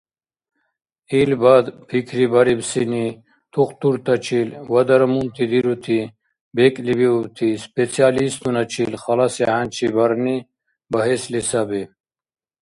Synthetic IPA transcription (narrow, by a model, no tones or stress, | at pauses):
ilbad̪pʰikʰɾibɐɾibsini | t̪ʰuxt̪uɾt̪ɐt͡ɕʰilwɐd̪ɐɾmunt̪id̪iɾut̪ʰi | beklibiubt̪ʰispet͡sʰijaːlist̪unɐt͡ɕʰilxɐlaseɦant͡ɕʰibɐɾni | bɐɦeslisabi